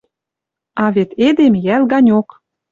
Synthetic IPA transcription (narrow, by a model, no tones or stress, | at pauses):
ɑβet̪ed̪emjælɣɑnʲok